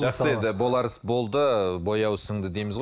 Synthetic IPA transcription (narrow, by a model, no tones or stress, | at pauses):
ʒɑχsəe̞nd̪ɪbo̞lˠɑɾəsbo̞lˠd̪əbo̞jɑwsəɴd̪əd̪e̞jmɪzʁo